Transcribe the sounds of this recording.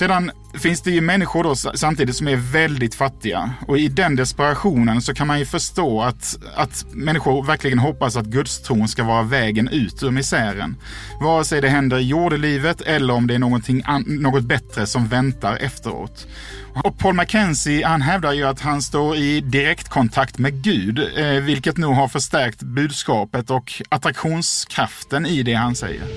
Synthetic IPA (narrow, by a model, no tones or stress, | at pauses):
seːd̪an | fɪnsd̪ɛjɵmɛnːɪɧʊɾɖɔsamt̪iːd̪ɪt̪sɔmæɾvɛld̪ɪt̪fat̪ːɪɡa̰ɔɪd̪ɛnd̪ɛspɛɾaɧuːnənsɔkʰanmanjɵfœʂt̪oːat̪ | at̪mɛnːɪɧʊɾvæɾklɪɡənɦɔpːasat̪ɡɵd̪st̪ʰɾuːnskavɑːɾavɛːɡənʔʉ̟ːt̪ʰɵmɪsæːɾə̰n | vɑːəsɛjd̪ɛɦɛnd̪əɾɪjuːɖəliːvət̪ʰɛlːəɾɔmd̪ɛæɾɳoːɡɔnt̪ʰɪŋːnoːɡɔt̪̚bɛt̪ɾəsɔmvɛnt̪aɾʔɛ̰ft̪əɾo̰ːt̪ | ɔpʰoːlmakʰɛnsɪhanɦɛvd̪aɾjɵat̪hanst̪oːɾɪd̪ɪɾɛkt̪kʰɔnt̪ʰakt̪mɛɡʉ̟ːd̪vɪlkət̪nuːɡɦaɾfœʂt̪æɾk̚t̪bʉ̟ːd̪skɑːpət̪ɔkat̪ɾakɧuːnskʰɾaft̪ənɪd̪ɛhansɛ̰jːə̰ɾ